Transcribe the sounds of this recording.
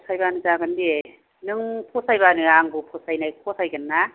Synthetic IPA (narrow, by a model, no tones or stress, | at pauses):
sʰajbanɯzaɡande | nɯŋpʰosajbanɯaŋbupʰosajnajpʰosajɡɯnːa